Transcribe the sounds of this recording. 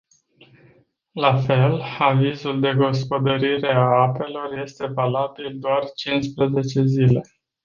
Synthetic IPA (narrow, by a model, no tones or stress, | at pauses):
lafe̞lavizuld̪e̞ɡo̞spo̞d̪əɾiɾe̞aape̞lo̞rje̞st̪e̞valabild̪oart͡ʃinspɾəze̞t͡ʃe̞zile̞